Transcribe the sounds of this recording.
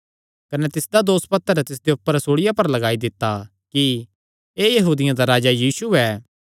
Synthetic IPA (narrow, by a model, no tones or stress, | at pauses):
kɐnɛt̪ɪsd̪ad̪oːspɐt̪ːəɾɛt̪ɪs̬d̪eʊpːəɾsoːɽɪjapɐɾlɐɡaːid̪ɪt̪ːa | ki | eːjɐɦuːd̪ɪjãd̪aɾaːd͡ʒajiːsuɛː